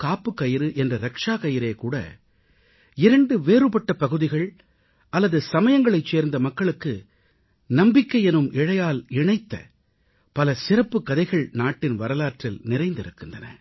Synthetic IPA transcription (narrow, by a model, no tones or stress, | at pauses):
kaːpːɯkːɐjɪɾɯʔɛndrɐɾɐkʂaːkɐjɪɾeːkuːɽɐ̰ | ɪɾɐɳɖɯʋeːɾɯpɐʈːɐpɐɣɯðɪɣɐɭ | ɐlːɐðɯsɐmɐjɐŋɡɐɭɐɪt͡ʃːeːɾnd̪ɐmɐkːɐɭɯkːɯ | nɐmbɪkːɐɪɛnɯmʔɪɻɐjaːlɪɳɐɪt̪ːɐ̰ | pɐlɐsɪɾɐpːɯkːɐðɐɪɣɐɭnaːʈːɪnʋɐɾɐlaːʈrɪlnɪɾɐɪnd̪ɪɾɯkːɯndrɐnɐ̰